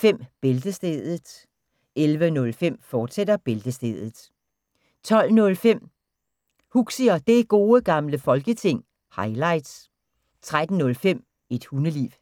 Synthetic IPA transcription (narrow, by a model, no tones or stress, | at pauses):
fem̰b̥e̝ld̥əsd̥eːð̩ˠ | elʋənɔ̽lfem̰fɒːd̥sed̥ɐb̥e̝ld̥əsd̥eːðˠð̩ˠ | t͡sʰɒ̽l̰nɔ̽lfem̰ | huɡ̥siɒd̥e̝ɡ̥o̝ːəɡ̥ɑ̈mləfɒ̽lɡ̥ət͡sʰe̝ŋ̰ | hɑ̈ɪlɑ̈ɪd̥s | t͡sʰʁad̥n̩nɔ̽lfem̰ | e̝d̥hunəlḭːʋ